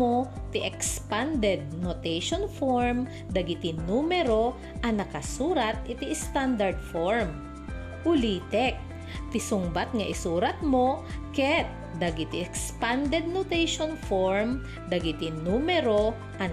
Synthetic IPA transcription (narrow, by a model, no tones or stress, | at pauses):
ot̪ɪʔɛkspand̪ɛd̪̚not̪ɛjʃonfoɹm | d̪ɐɡit̪ɪnnumɛɾo̞ | ʔɐŋnɐkɐsuːɾɐt̪̚ɪt̪iʔst̪and̪ɐɹd̪̚foɹm | ʔʊliːt̪ɛk̚ | t̪ɪsʊŋbat̪̚ŋɐʔɪsuːɾɐt̪̚mo̞kɛt̪̚ | d̪ɐɡɪt̪ɪʔɛkspand̪ɛd̪̚not̪ɛjʃonfoɹm | d̪ɐɡɪt̪ɪnuːmɛɾo | ʔɐ